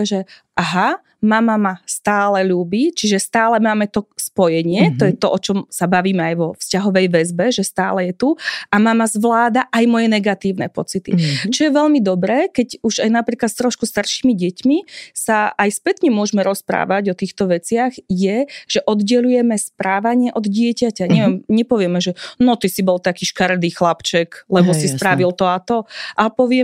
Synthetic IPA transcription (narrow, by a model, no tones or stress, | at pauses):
ʒɛʔaɦa | mamamast̪aːlɛʎuːbit͡ʃiʒɛst̪aːlɛmaːmɛt̪ɔspɔjɛɲɪɛt̪ɔjɛt̪ɔʔɔt͡ʃɔmsabaʋiːmɛajʋɔfscaɦɔʋɛjʋɛzbɛʒɛst̪aːlɛjɛt̪uamamazʋlaːd̪aʔajmɔjɛnɛɡat̪iːʊnɛ̰pɔt͡sit̪ḭt͡ʃɔjɛʋɛʎmid̪ɔbɾɛːkɛɟuʒajnapɾiːklat̪st̪ɾɔʃkust̪aɾʃiːmiɟɛcmisaːjspɛt̪ɲɛmʊɔʒmɛɾɔspɾa̰ːʋaɟɔt̪iːxt̪ɔʋɛt͡sɪaɣjɛʒ̥ɛʔɔd̪ɟɛlujɛmɛspɾaːʋaɲɪɛʔɔd̪ɟɪɛcacaɲɛʋɛmɲɛpɔʋɪɛmɛʒɛnɔt̪isibɔlt̪akiːʃkaɾd̪iːxlapt͡ʃɛklɛbɔsispɾaʋilt̪ɔat̪ɔʔapɔʋɪɛ